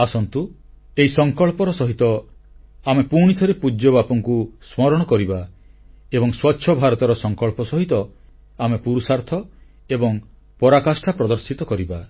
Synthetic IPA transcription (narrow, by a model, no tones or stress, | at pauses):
asɔnt̪u | eisɔŋkɔɭpɔɾɔsɔɦit̪ɔ | amepuɽ̃it̪ʰɔɾepud͡ʒjɔbapɔŋkusmɔɾɔɽ̃ɔkɔɾiba | ebɔŋswɔtːʰʃʰɔbʱaɾɔt̪ɔɾɔsɔŋkɔɭpɔsɔɦit̪ɔ | amepuɾusaɾt̪ʰɔ | ebɔŋ | pɔɾakasʈʰapɾɔd̪ɔɾsit̪ɔkɔɾiba